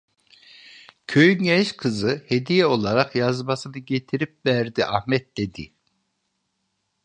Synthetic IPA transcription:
cʰøjynɟɛʃkʰɯzɯhe̞d̪ijɛo̞lˠaɾaqjazmasɯnɯɟe̞t̪ʰiɾip̚væɾd̪iʔahmɛt̪̚d̪̥e̞d̪i

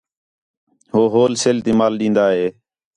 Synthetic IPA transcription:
hoːɦoːlseːlt̪iːmaːlɗĩːnd̪aːɦeː

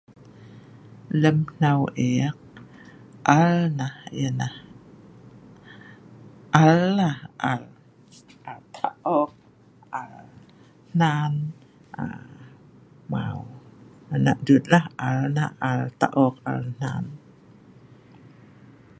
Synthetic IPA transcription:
ləmn̥awʔɛk̚ | ʔalnahjənah | ʔalːahʔal | ʔalt̪ʰaʔɔk̚ | ʔal | n̥an | ʔa̰ | ma̰wanaʔdut̪̚lahʔalnahʔalt̪a̰ʔɔk̚a̰ln̥a̰n

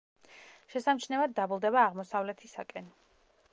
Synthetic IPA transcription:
ʃɛsamt͡ʃʰnɛvad̪̚dːabulˠd̪ɛβaːʁmɔsavlɛt̪ʰisakʼɛn

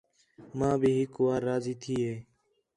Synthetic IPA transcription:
mãːbʱiːɦɪkʋaːɾːaːziːt̪ʰiːɦeː

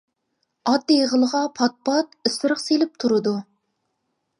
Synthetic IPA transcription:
ɑd̪̚ijʁəlˠəʁɑpʰɑt̪̚pɑt̪̚ysɾəχselɪp̚t̪ʰuɾɨd̪u

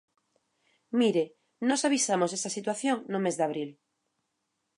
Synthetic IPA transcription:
miɾe | nɔsaβisamosesasit̪waθjoŋnʊmezðaβ̞ɾil

